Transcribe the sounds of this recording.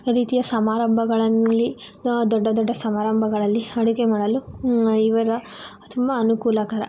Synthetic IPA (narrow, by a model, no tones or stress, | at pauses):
ɾiːt̪ijɐsɐmaːɾɐmbʱɐɡɐɭɐːi | d̪ɔɖːɐd̪ɔɖːɐsɐmaːɾɐmbʱɐɡɐɭɐlːiɐɽukemaːɽɐluiʋɐɾɐ | t̪ʰumbɐːnukuːlɐkaːɾɐ̰